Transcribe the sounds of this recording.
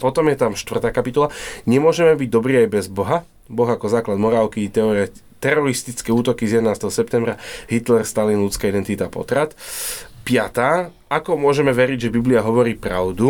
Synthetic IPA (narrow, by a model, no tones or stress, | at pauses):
pɔt̪ɔmjɛt̪amʃt̪ʋr̩t̪aːkapit̪ɔlaɲɛmʊɔʒɛmɛbiɟ̚d̪ɔbɾiːajbɛzbɔɦa | bɔɣakɔzaːklad̪mɔɾaːʊkit̪ɛ | t̪ɛɾɔɾist̪it͡skɛːuːt̪ɔkizjɛd̪ɛnaːst̪ɛɦɔsɛp̚t̪ɛmbɾaɦit̪lɛɾst̪alinlut͡skaːid̪ɛnt̪it̪apɔ̰t̪ɾat̪pɪat̪aː | akɔmʊɔʒɛmɛʋɛɾiɟʒɛbibliaɦɔʋɔɾiːpɾa̰ʊd̪u